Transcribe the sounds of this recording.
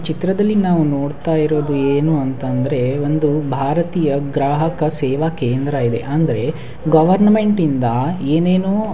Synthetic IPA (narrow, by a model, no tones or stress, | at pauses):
t͡ʃit̪ɾɐd̪ɐlːinaːʋuno̞ːɽt̪aːjiɾo̞ːd̪ueːnuɐnt̪ɐnd̪ɐɾe̞o̞nd̪ubʱaːɾɐt̪iːjɐɡɾaːɦɐkɐsɛːʋakeːnd̪ɾɐid̪e̞̰ʔɐnd̪ɐɾe̞ | ɡɐʋɐɾnɐme̞ɳʈind̪ɐeːneːnoː